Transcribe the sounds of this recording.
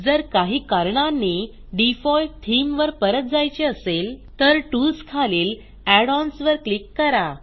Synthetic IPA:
d͡zəɾkaɦiːkaɾɳanːi | ɖifɔlt̪ʰimʋəɾpəɾət̪̚d͡zajt͡ɕeəselt̪əɾʈuskʰaleːl | æɽɔnsʋəɾklikːəɾa

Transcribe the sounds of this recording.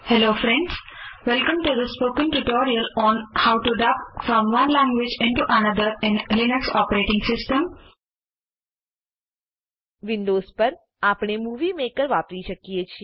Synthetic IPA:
hɛloːfɾɛ̃ɳɖz̥ʋɛlkə̃mʈud̪əspoːkə̃nʈuʈoːɾiəlɔ̃ːnhaʊʈuɖapfɾɔ̃mʋʌ̃nlæ̃ŋɡʋɪd͡ʒɪ̃ɳʈuʔənəd̪əɾɪ̃nlɪnəksɔːpəɾeːʈɪ̃ŋsɪsʈə̃m | ʋɪ̃nɖoːzpəɾ | aːpɳ̃emuːʋimekəɾʋaːpɾiʃəkiet͡ʃʰi

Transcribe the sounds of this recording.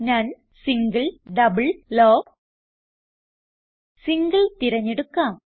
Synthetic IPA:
nɐn | sɪŋɡɐɭɖɐbɐɭloː | sɪŋɡɐɭt̪ɪɾɐɲːɛɽɯkːaːm

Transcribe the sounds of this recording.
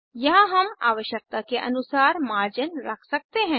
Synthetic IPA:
jɐɦãɦɐma̰ːʋəʃjək̚t̪akeʔɐ̰nʊsaːɾmaːɾd͡ʒənɾɐkʰsɐk̚t̪eɦɛ̃ː

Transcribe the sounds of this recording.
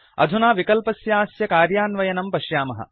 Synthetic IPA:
ɐ̰d̪ʱunaːʋikɐlpɐsjaaːsjɐkaːɾjaːnʋɐjɐnɐmpɐʃjaːmɐɦɐ̰

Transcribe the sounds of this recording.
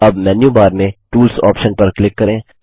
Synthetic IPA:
ɐbmɛːnjubaːɾmẽʈuːlsɔ̰ːpʃənpɐɾklɪkːɐɾẽː

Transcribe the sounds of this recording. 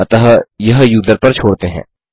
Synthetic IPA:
t̪əɦjɐɦjuːd̪əɾpɐɾt͡ʃʰoːɽt̪eɦɛ̰̃ː

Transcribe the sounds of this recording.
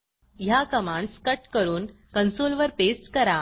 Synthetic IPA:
jakəmãɳɖskəʈkəɾuːn | kənsolʋəɾpesʈkəɾa

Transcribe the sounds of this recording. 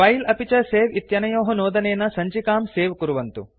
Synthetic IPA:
ɐjlɐpit͡ʃɐseːʋit̪jɐnɐjoːɦɐnoːd̪ɐneːnɐsɐɲt͡ʃikaːmseːʋkuɾuʋɐnt̪u

